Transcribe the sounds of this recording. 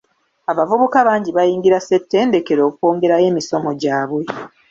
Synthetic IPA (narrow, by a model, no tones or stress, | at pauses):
aβavuβukaβaːɲɟiβajiːŋɡiɾase̞tːe̞ːnde̞ke̞ɾo̞ːko̞ːŋɡe̞ɾaje̞ːmiso̞mo̞ɟaːβwe̞